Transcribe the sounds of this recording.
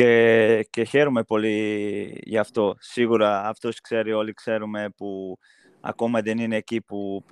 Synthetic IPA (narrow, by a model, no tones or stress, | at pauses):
ece̞çe̞ɾume̞po̞li | ʝɐːft̪o̞siɣuɾɐːft̪o̞skse̞ɾio̞likse̞ɾume̞pu | ɐ̰ko̞mɐðe̞nine̞ːcipup